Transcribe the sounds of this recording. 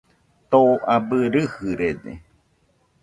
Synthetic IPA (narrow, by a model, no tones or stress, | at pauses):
t̪oabɨɾɨhɨɾed̪ḛ